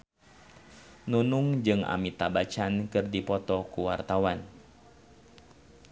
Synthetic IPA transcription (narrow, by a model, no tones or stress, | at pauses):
nunuŋd͡ʒɨŋa̰mit̪abat͡ʃankɨrdipɔt̪ɔkuwart̪awan